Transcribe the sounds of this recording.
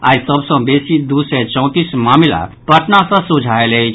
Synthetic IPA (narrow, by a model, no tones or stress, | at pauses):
a̰ːjsəbsə̃besid̪usɛt͡ʃɔ̃t̪ismaːmila̰pəʈnasə̃sũd͡ʒʱaelɛit͡ʃʰ